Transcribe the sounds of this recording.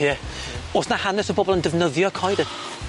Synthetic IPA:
jɛ | osnahanɛsəbɔbɔlˠəndəvnəðjɔkʰɔjdən

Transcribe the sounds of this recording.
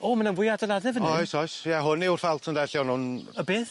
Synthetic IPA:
ɔːmananvʊjadəlˠaðɛvənɔjsɔjsjɛɦʊnɪwrfalˠtʰəndɛɬjɔnhʊnəbɪːð

